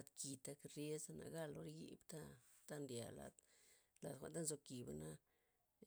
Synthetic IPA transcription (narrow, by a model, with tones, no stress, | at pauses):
a˧t̪ki˨t̪a˧kɾje˦zna̰˨ɡa˦lo˦ɾɡḭ˦bt̪a˦t̪a˦nd̪ʲja̰˨la̰˨t̪la˨t̪kʷa̰˨nt̪a˦nzo˧ki˨bana˦